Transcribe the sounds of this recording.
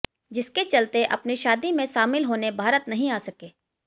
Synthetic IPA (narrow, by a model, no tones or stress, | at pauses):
d͡ʒɪsket͡ʃɐlt̪eʔɐ̰pniʃaːd̪imẽʃaːmɪlɦoːnebʱaːɾət̪nɐɦĩaːsɐkeː